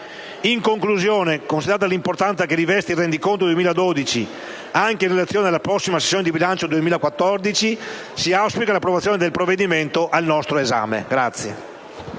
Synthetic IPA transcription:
iŋkoŋkluzjoːnekonsid̪eɾat̪alimport̪ant̪sakeɾivɛst̪irɛnd̪ikont̪od̪uemiːlad̪od̪it͡ʃi | aŋkeinrelat̪sːjoːned̪elapɾɔsːimase̥sːjoːned̪ibilant͡ʃod̪uemiːlakwat̪ːɔrd̪it͡ʃi | siawspikalapːɾovat̪sːjoːned̪elpɾovːed̪iment̪oʔalnɔst̪ɾoeza̰ːmḛɡɾat̪sːje

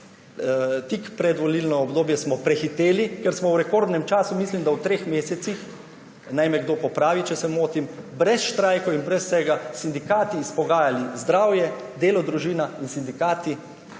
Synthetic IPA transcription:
t̪ikpɾɛd̪ʋɔliːlnɔɔbd̪oːbjɛsmɔpɾɛxit̪eːlikɛɾsmɔwɾɛkoɾd̪nɛmt͡ʃaːsumislimd̪awt̪ɾeːxmeːsɛt̪six | najmɛɡd̪oːpɔpɾaːʋit͡ʃɛsɛmoːt̪im | bɾɛsʃt̪ɾajkɔinbɾɛsːɛɡasind̪ikaːt̪iːspɔɡaːjalizd̪ɾaːwjɛd̪eːlɔd̪ɾuʒiːnainsind̪ikaːt̪i

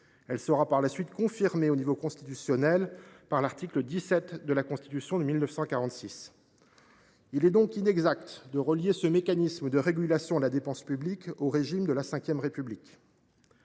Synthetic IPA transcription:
ɛlsəʁapaʁlasɥit̪kɔ̃fiʁmeonivokɔ̃st̪i̥t̪ysjɔnɛlpaʁlaʁt̪ikləd̪isɛt̪d̪əlakɔ̃st̪i̥t̪ysjɔ̃d̪əmilnəfsɑ̃kaʁɑ̃t̪sis | ilɛd̪ɔ̃kinɛɡzakt̪d̪əʁəljesəmekanisməd̪əʁeɡʲylasjɔ̃əlad̪epɑ̃spyblikoʁeʒimd̪əlasɛ̃kʲjɛmʁepyblik

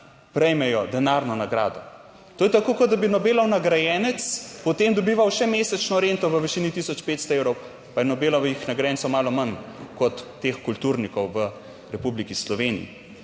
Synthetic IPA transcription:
pɾɛjmɛjɔd̪ɛnaɾnɔnaɡɾa̰ːd̪ɔ | t̪oːjɛt̪akoːkɔd̪̚d̪abinɔbeːlɔwnaɡɾajɛːnɛt̪spɔt̪emd̪ɔbiːʋawʃɛmeːsɛt͡ʃnɔɾent̪ɔʋəʋɛʃiːnit̪isɔt͡ʃpeːt̪st̪ɔeːwɾɔw | pajɛnɔbeːlɔʋixnaɡɾajɛnsɔwmaːlɔmankɔt̪ːeːxkult̪uɾnikɔwʋə | ɾɛpublikislɔʋenḭjḭ

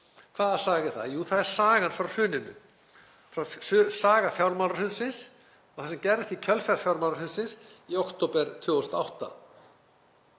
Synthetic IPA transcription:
kʰvaːðḁsaːɣɪθa̰ðjuːθaðɛɾ̥saːɣanfɾawrʏːnɪnʏ̰ | fɾawsaːɣafjawɾmawlɾaɾhʏnsɪns | ɔɣθasɛmcɛɾðɪst̪icʰœlfɛɾfjawɾmawlɾaɾhʏnsɪnsiɔwkt̪owpɛɾt̪ʰvʏːɣɔst̪aawht̪a̰

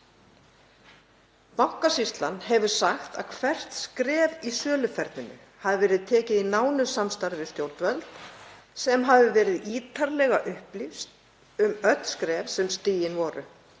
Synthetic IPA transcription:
nahkasist̪lanɦɛvʏɾ̥saxt̪a̰ðkʰvɛr̥t̪skɾɛːvisœːlʏfɛɾt̪nɪnʏ̰ | haðɪvɛːɾɪðt̪ʰɛːcɪðinaːwnʏsamst̪aɾvɪ̥st̪jowɾt̪vœlt̪ | sɛmɦavɪvɛːɾɪðiːt̪ʰaɾlɛɣaʔʏhplifst̪ | ʏmœt̪n̥skɾɛːvsɛmst̪iːjɪnvɔːɾʏ̰

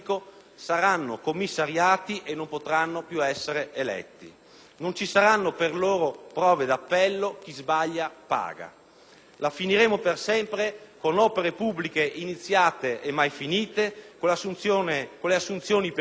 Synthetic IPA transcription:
ko | saɾanːo̰komːisːaɾjaːt̪iʔenːompot̪ɾanːopjuɛsːeɾeʔelɛ̰t̪ːḭ | nont͡ʃisaɾanːoperloːɾopɾɔːved̪apːɛlːok̟izbaʎːapa̰ːɡa̰ | lafiniɾeːmopersɛmpɾekonɔːpeɾepubːlikeʔinit̪sːjaːt̪eʔːmːajfiniːt̪ekolsuokolːeasːunt̪sjoːnip

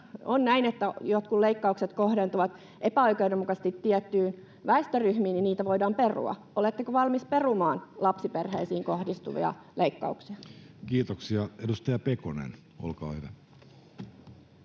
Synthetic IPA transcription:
onnæinet̪ːæjot̪kuleikːɑukset̪kohdent̪uʋɑt̪ | ʔepæoikɑudemːukɑst̪it̪tiɛt̪ːyːn | ʋæest̪øryhmiːniniːt̪æʋoidɑːmperṵɑ̰ʔolet̪ːekoʋɑlmisperumɑːnlɑpsiperheisiːŋkohdist̪ṵʋḭɑ̰lʔeikːɑ̰uksiɑkiːt̪oksiɑedust̪ɑjɑpekonḛn | o̰lkɑ̰ːhyʋæ

